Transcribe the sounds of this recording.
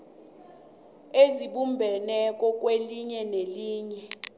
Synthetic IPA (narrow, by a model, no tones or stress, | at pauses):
eziɓumbʱɛnɛk̬ʼɔk̬ʼweliɲɛneliːɲɛ